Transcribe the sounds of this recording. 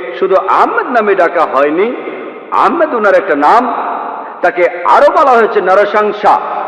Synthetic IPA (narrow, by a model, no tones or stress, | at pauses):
ʃud̪ʱuʔa̰mːet̪namiɖakaɦɔjni | a̰mːet̪unaɾɛk̚ʈanam | t̪akea̰ɾobɔlaɦojt͡ɕʰenɐɾoʃaŋʃa̰